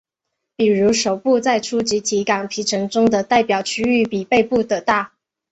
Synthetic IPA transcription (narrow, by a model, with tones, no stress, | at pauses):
pi˨˩ɻu˧˥ʂo˨˩ʊpu˥˧t͡sa˥˩ɪʈ͡ʂʰu˥t͡ɕi˧˥t̪ʰi˧˥ka˨˩ŋpʰi˧˥ʈ͡ʂʰɤ˧˥ŋʈ͡ʂʊ˥ŋd̪ə˨t̪a˥˩ɪpjɑ˨˩ʊt͡ɕʰy˥y˥˩pi˨˩pe˥˧ɪpu˥˩t̪ə˨˩t̪a˥˩